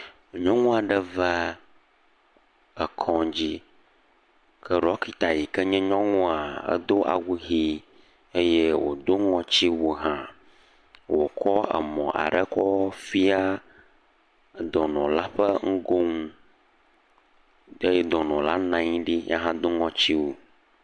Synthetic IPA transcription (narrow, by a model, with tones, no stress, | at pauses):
ɲɔ̃˦ŋũ˦a˨ɖə˨və˦ | ə˨kʰɔ̃˨d͡ʑi˦ | kʰə˦ɖɔ˦ki˨t̪a˨ji˨kə˦ɲɛ̃˦ɲɔ̃˦ŋũ˦a˨ə̰˦d̪o˦ʔa̰˨wu˦ɦi˦ | e˦jɛ˦wo̰˨d̪o˦ŋɔ̃˨t͡ɕi˦wo˨ɦã˨ | wo˨kʰɔ˦ɛ̰˨mɔ̃˨ʔa̰˨ɖɛ˦kɔ˦fi˦a˦ | d̪ɔ˨nɔ̃˨la˦ɸə˦ŋ̩˦ɡo˦ŋũ˦ | e˦jɛ˦d̪ɔ˨nɔ̃˨la˦nã˨ɲĩ˦ɖi˦ja̰˦ɦã˦d̪o˦ŋɔ̃˨t͡ɕi˦wo˨